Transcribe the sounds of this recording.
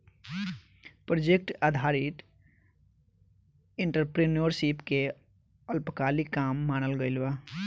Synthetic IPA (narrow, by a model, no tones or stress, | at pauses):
pɾod͡ʒek̚ʈaːd̪ʱaːɾɪt̪ | ɪ̃ɳʈəɾpɾeːnoɾsipke | əlpəkaːlikaːmːaːñəlɡəɪlʋaː